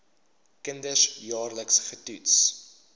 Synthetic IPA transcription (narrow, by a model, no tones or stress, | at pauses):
kəndəsjɑːrləksχətuts